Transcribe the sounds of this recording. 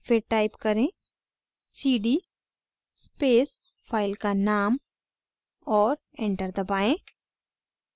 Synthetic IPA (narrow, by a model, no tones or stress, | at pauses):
fʰeɾʈaːɪpkɐɾẽ | siːɖi | speːs | pʰaːɪlkanaːm | ɔːɾ | ẽɳʈəɾd̪ɐbaːẽː